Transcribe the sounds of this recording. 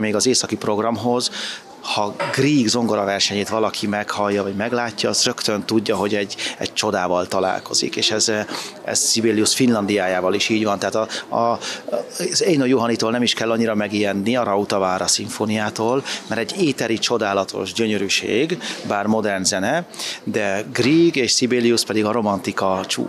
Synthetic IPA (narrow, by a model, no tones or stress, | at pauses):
meːɡɒzeːsɒkipro̞ɡrɒmɦo̞z | hɒɡriːɡzo̞ŋɡo̞ɾɒvɛrʃɛɲeːt̪ʋɒlɒkʰimɛkhɒjːɒvɒɟmɛɡlaːcːɒːzrø̞kt̪ønt̪uɟːɒɦo̞ɟɛɟːɛ̰ɟ̚t͡ʃo̞d̪aːvɒlt̪ɒla̰ːlko̞zḭkeːʃɛz | ɛ̰zsibeːlijusfinlɒnd̪ijaːjaːvɒliʃiːɟvɒnt̪aɦaːt̪ɒɒ | zejnojoɦɒnit̪oːlnɛmiʃkɛlːɒɲːiɾɒmɛɡijɛnːiɒɾɒut̪ɒvaːɾɒsiɱfonijaːt̪oːlmɛɾɛɟːeːt̪ɛɾit͡ʃo̞d̪aːlɒt̪ʰo̞̰ʒɟøɲøɾyʃḛːɡbaːrmo̞d̪ɛrnzɛnɛd̪ɛɡriɡeːʃsibeːlijuspɛd̪iɡɒɾo̞mɒnt̪ikɒt͡ʃṵː